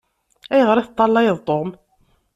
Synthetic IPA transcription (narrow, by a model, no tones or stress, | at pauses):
æjəʁəɾˤiθt̪ˤːɑlˤːɑjəðˤt̪ˤːom